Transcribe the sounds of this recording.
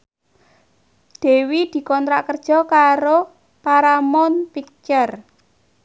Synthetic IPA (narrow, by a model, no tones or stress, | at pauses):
ɖ̪̥e̤wid̪̥i̤kɔnt̪ɾaʔkərd̥ʒ̥ɔ̤kaɾo | paɾamɔnpit͡ʃər